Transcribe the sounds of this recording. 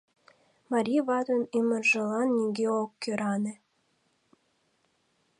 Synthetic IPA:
mɑɾʲiβɑd̪onimərʒə̆lɑnːʲiɡeokːøɾɑne

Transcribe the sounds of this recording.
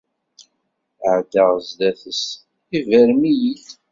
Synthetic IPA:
ʕd̪əʁzd̪æθəs | ivæɾmijiθ

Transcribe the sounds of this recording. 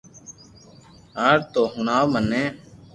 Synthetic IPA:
aːɾt̪oːɦʊnaːwmənːẽː

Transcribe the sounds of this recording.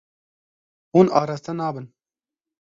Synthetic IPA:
hunɑːɾaːst̪ɛnɑːbɨn

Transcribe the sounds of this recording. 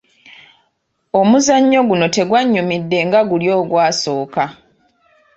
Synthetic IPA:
o̞muzaɲːo̞ɡuno̞te̞ɡwaɲːumidːe̞ŋɡaɡuljo̞ːɡwaːso̞ːka

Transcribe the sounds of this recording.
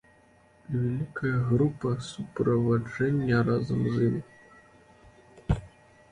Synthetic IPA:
vʲalʲikɐjɐɣɾupɐsupɾɐvad͡ʐɛnʲːɐɾazɐmzɨm

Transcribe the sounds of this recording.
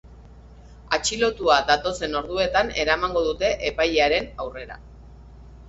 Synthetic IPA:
at͡ʃilo̞t̪uad̪at̪o̞se̞no̞ɾðue̞t̪ane̞ɾamaŋɡo̞ðut̪e̞ʔepajeaɾe̞nawre̞ɾa̰

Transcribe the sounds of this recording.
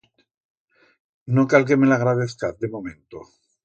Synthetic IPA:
nokalk̬emelaɣɾaðeθkaθ̚d̪emomẽnt̪o̰

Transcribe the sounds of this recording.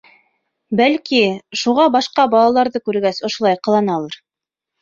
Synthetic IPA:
bælkiʃuʁɑbɑʃqɑbɑlˠɑlˠɑɾðɤkʉɾɡæsŏʃŏlˠɑjqɤ̆lˠɑnɑlˠɤɾ

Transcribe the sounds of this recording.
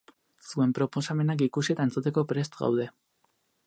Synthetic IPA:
sue̞mpɾo̞po̞same̞nak̬ikusie̞t̪aent͡sut̪e̞ko̞pɾe̞st̪ɣa̰wðe̞

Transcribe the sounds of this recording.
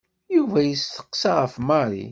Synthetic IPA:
juvæjəsθə̥qːsɑʁəfmɑɾˤḭ

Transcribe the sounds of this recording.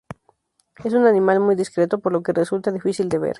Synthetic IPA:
es̬unanĩmalmujðiskɾe̞t̪o̞po̞ɾlo̞ke̞result̪aðifisild̪e̞βḛɾ

